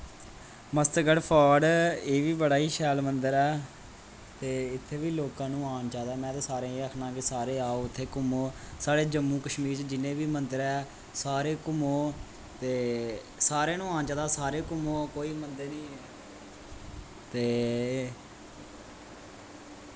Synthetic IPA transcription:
məst̪ɡəɽpʰaːɖeːʋiːbəɽaːiːʃɛːlmənd̪əɾɛː | t̪eːɪt̪ʰːeːʋiːloːkãːnũːaːnt͡ʃaːd̪aːmɛ̃ːt̪eːsaːɾẽːiːəkʰnãːkɪsaːɾeːaːoːʊt̪ʰːeːkʊmoːsaːɽeːd͡ʒəmːũːkəʃmiːɾt͡ʃd͡ʒɪnẽːʋiːmənd̪əɾɛː | saːɾeːkʊmoː | t̪eː | saːɾẽːnũːãːnt͡ʃaːd̪aːsaːɾeːkʊmoːkoːiːmənd̪eːnĩː | t̪eː

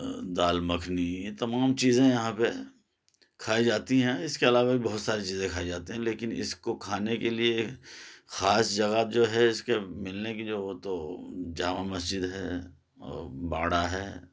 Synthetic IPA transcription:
d̪aːlmɐkʰnijet̪ɐmaːmt͡ʃiːzẽjɐɦãpe | kʰaːid͡ʒaːt̪iɦɛ̃ɪskeɐlaːʋabibɔɦʊt̪saːɾit͡ʃiːzẽkʰaːid͡ʒaːt̪iɦɛ̃leːkɪnɪ̰skokʰaːnekelie | xaːsd͡ʒɐɣaːt̪̚d͡ʒoːɦɛɪskemɪlnekid͡ʒoːoːt̪od͡ʒaːmamɐsd͡ʒɪd̪ɦɛː | ɔ̰ːɾba̰ːɽaɦɛː

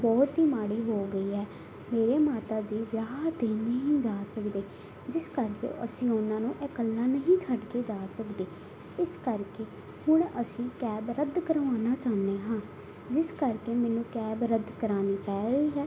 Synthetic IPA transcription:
bɔːt̪ɦiːmaːɽiːɦoːɡəiːɦɛː | meːɾeːmaːt̪aːd͡ʒiːʋjaːt̪eːnəɦĩːd͡ʒaːsəkd̪eː | d͡ʒɪskəɾkḛːʔəsĩːʊnãːnũːʔɛːkəlːaːnəɦĩːt͡ʃʰəɖkeːd͡ʒaːsəkd̪eː | ɪskəɾkeː | hʊɳəsĩːkɛːbɾəd̪kəɾʋaːnaːt͡ʃaːneːɦãː | d͡ʒɪskəɾkeːmɛ̃ːnũːkɛːbɾəd̪kəɾaːniːpɛːɡəiːɦɛː

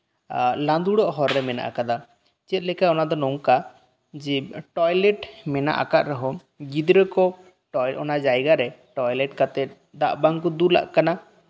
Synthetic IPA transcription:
lãnd̪uɽɔʔɦɔɾːɛmɛna̰ʔa̰kad̪a | t͡ʃɛt̪̚ˀlɛkaɔnad̪ɔnɔŋka | d͡ʒɛʈɔjlɛʈmɛna̰ʔa̰kaʔ̪ɾəɦɔ | ɡid̪ɾəkɔ | ʈɔjʔɔnad͡ʒajɡaɾɛʈɔjlɛʈ̚kat̪ɛt̪̚ | d̪aʔbaŋkɔd̪ula̰ʔkana

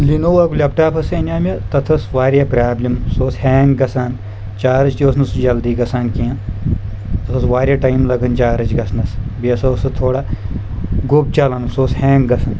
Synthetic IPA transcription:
linoːwɐkulʲɐp̚ʈaːpʰɐsɐnʲaːmʲɐt̪ɐt̪ʰɐsʋaːɾjaːpɾaːblʲimsoːsheːŋɡɡɐsaːn | t͡ʃaːɾɐt͡ʃt̪iosnɐsd͡ʒɐld̪iːɡɐsaːnkiã | t̪ɐt̪ʰɐsʋaːɾjaʈɐjmlɐɡɐnt͡ʃaːɾɐt͡ʃɡɐsnɐsbiɐsɐsɐt̪ʰoːɽaː | ɡop̚t͡ʃɐlɐnsoːsheːŋɡɡɐsɐn

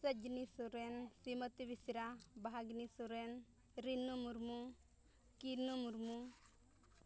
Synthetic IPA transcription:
səd͡ʒnisuɾensimət̪iʋisiɾabaɦaɡnisuɾen | ɾinːumuɾmu | kinːumuɾmu

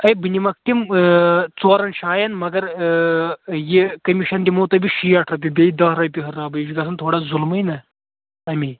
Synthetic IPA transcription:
ɐjbɨnʲimɐk̚t̪im | t͡soːɾɐnʃaːjɐnmɐɡɐɾ | jekɐmiʃɐnd̪ʲimoːt̪ɐbiʃijɐʈʰɾɐp̬ʲibʲeid̪ɐɦɾɐpʲiɦɐraːbɐʃikɐsʰɐnt̪ʰoːɽaːzulmɐjnɐ | ɐmʲi

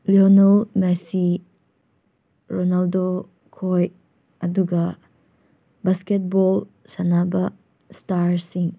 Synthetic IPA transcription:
lionalmɛsi | ɾonaldo | kʰoj | ɐduɡa | basket̚bɔl | sanaba | staɾsiŋ

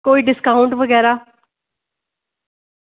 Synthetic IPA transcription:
koːiːɖɪskaːʊ̃ɳʈʋəɡɛːɾaː

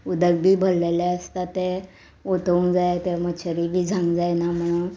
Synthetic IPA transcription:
ud̪əɡ̚bʱiːbʱəllelaəst̪at̪e | ot̪əũŋd͡zajt̪emət͡ɕʰəɾibʱiːd͡zʱãŋɡd͡zajnam̤əɽ̃uːn

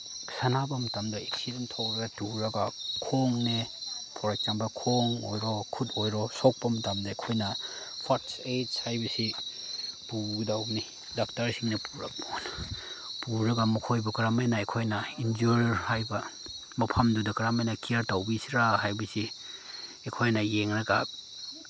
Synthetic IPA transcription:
sanabɐmɐtamdɐeksidentʰawɾɐɡɐtuɾɐɡakʰoŋnepʰɔɾak̚t͡ʃambakʰoŋo̰jɾɔkʰutojɾɔsok̚pɐmɐtamdɐekʰojnɐ | pʰatsed͡ʒshajbɐsi | puɡdawni | dak̚taɾsiŋnɐpʰuɾɐk̚pon | puɾɐɡamukʰojbɐkɐɾamajnaekʰojnɐind͡ʒuɾɾhajbɐ | mɐpʰamdudɐkɾamajnɐkiaɾtawbisiɾaɦajbɐsi | ekʰojnɐjeŋɾɐɡa̰

